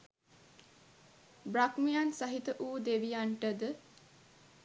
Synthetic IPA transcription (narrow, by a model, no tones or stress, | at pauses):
brakmijansɐɦit̪əʔuːd̪eʋijaɳʈəd̪ə